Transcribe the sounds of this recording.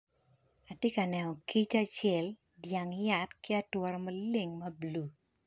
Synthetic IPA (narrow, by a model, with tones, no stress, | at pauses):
a˨tje˦ka˨nɛ˨nɔ˨ki˦t͡ʃa˦t͡ʃɛ˨l | dja˨ŋja˨tkɪ˦a˦twɔ˨ɾɔ˨mɐ˦le˦˨ŋmɐ˦blu˨